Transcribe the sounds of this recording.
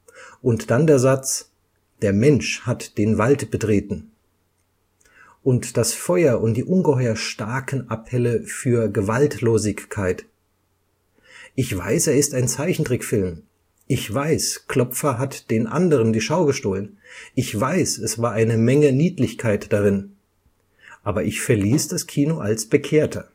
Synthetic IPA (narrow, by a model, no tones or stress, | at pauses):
ʔʊntd̥andeːɐzat͡s | d̥eːɐmɛnʃhatd̥eːnvaltb̥ətʁ̥eːtn̩ | ʔʊntd̥asfɔʏɐʔʊnt̚d̥iːʔʊnɡəhɔʏɐʃtaɐkʰn̩ʔapʰɛləfyːɐɡəvaltloːzɪçkʰːaɪt | ʔɪçv̥a̰ɪseːɐɪstaɪnt͡saɪçn̩tʁ̥ɪkfɪlm | ʔɪçv̥aɪskl̥ɔpp͡fɐɦatd̥eːnʔa̰ndəʁ̞əndiːʃaʊɡəʃtoːlənʔɪçv̥aɪsɛsv̥aːɐʔaɪnəmɛŋəniːtlɪçkʰaɪtd̥aʁɪn | ʔaːbɐʔɪçfɛɐliːsd̥askʰiːnoʔa̰lsb̥əkʰeːɐtʰɐ̰